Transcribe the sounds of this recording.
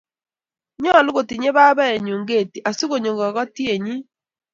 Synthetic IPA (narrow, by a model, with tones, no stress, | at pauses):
ɲɔ˦a˨lu˦ɣo˨ti˨ɲe˦βa˦βa˦e˨ɲu˨ŋɡe˦˨ti˨ʔa˨si˦ɣo˦˨ɲo˨ŋɡa˨ɣɔ˦ti˦e˨ɲi˦